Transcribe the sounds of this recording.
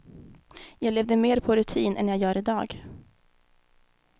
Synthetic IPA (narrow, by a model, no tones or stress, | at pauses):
jɑːɡleːvd̪əmeːɾpʰɔɾɵt̪ʰiːnʔɛ̰njɑːɡjœːɾɪd̪ɑːɡ